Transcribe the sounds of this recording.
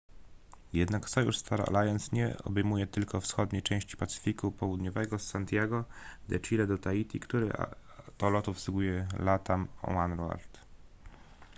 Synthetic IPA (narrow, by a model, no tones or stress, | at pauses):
jɛd̪naksɔjṵʂst̪aɾa̰lajɔnsɲɛ̰ɔ̰bɛjmujɛt̪ɘlkɔfsxɔd̪ɲejt͡ʂɛ̃w̃ɕt͡ɕi̥pat̪sɘ̥fʲikupɔwud̪ɲɔvɛɡɔsant̪jaɡɔd̪ɛt͡ʂilɛd̪ɔt̪ait̪ʲikt̪uɾɘ̰a̰t̪ɔlɔt̪ufsuɡujɛlat̪amɔ̰anɾua̰ɾt̪